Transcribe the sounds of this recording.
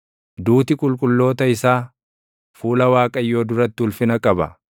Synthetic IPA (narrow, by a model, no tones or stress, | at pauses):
d̪uːt̪ɪkʼʊlkʼʊlːo̞ːt̪ɐɪsaː | fuːlɐwaːkʼɐjːo̞ːd̪ʊɾɐt̪ːɪʊlfɪnɐkʼɐbɐ̰